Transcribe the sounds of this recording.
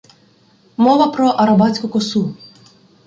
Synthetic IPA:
mɔʋɐpɾɔʔɐɾɐbɑt͡sʲkʊkɔsu

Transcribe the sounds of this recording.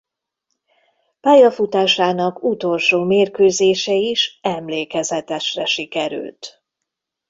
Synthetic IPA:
paːjɒfut̪aːʃaːnɒkut̪o̞lʃoːmeːrkøːzeːʃɛiʃɛmleːkɛzɛt̪ɛʃrɛʃikɛɾy̰lt̪

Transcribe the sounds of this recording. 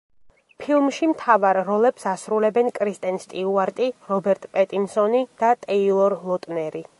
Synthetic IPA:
pʰilˠmʃimt̪ʰavaɾːɔlɛpsasɾulɛbɛnkʼɾist̪ʼɛnst̪ʼiuaɾt̪ʼiɾɔbɛɾt̪ʼpʼɛt̪ʼinsɔnid̪̥at̪ʼɛilˠɔɾlˠɔt̪ʼnɛɾi

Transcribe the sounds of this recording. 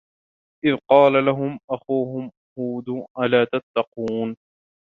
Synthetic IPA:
ʔɪðqɑːlalaɦʊmʔaxuːɦʊm | huːd̪uʔalaːt̪at̪ːɑquːn

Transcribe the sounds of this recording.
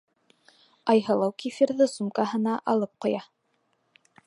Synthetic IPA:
ɑjɦɤ̆lˠɤwkifiɾðɤsumkɑɦɤ̆nɑʔɑlˠɤp̚qŏjɑ

